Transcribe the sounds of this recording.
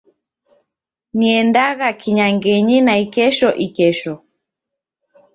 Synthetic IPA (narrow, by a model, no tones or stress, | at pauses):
niɛndaɣakiɲaŋɡɛɲinaikɛʃɔʔikɛʃɔ